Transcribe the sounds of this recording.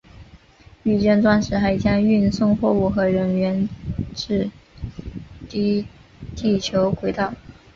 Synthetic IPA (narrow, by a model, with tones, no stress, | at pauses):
y˥˩t͡ɕɥɛ˥˧nʈ͡ʂwa˥nʂɻ̩˧˥xa˧˥ɪt͡ɕjɑ˥ŋy˥˧nsʊ˥˧ŋxwɔ˥˧u˥˩xɤ˧˥ɻə˧˥nɥɛ˧˥nʈ͡ʂɻ̩˥˩ | t̪i˥t̪i˥˩t͡ɕʰjo˧˥ʊkwe˧˥ɪt̪ɑ˥˩ʊ